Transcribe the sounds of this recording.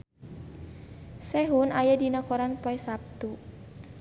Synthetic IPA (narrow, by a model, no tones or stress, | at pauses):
sɛɦunajadinakɔɾanpɔɛsap̚t̪u